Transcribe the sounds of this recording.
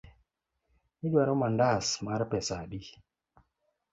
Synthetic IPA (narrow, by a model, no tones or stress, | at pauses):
idwaɾɔmandasmaɾpɛsabi